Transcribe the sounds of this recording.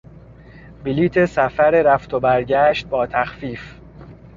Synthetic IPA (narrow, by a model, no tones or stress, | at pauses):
biliːt̪ʰesæfæɾeɾæft̪ʰobæɾɟæːʃt̪̚bɒːt̪ʰæxfiːf